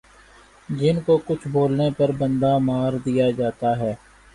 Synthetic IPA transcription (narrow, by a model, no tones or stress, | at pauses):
d͡ʒɪnkokʊt͡ʃʰboːlnepɐɾbə̃nd̪amaːɾd̪ijad͡ʒaːt̪aɦɛː